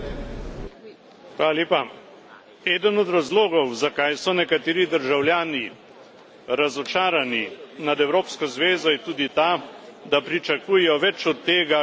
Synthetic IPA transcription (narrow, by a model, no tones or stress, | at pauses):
xʋaːlaljeːpa | ɛːd̪ənɔd̪ɾazloːɡɔwzakajsɔnɛkat̪eːɾid̪əɾʒawljaːni | ɾazɔt͡ʃaːɾaninad̪ɛwɾoːpskazʋeːzɔjɛt̪uːd̪it̪aːd̪apɾit͡ʃakuːjɛjɔʋɛt͡ʃɔt̪ːeːɡa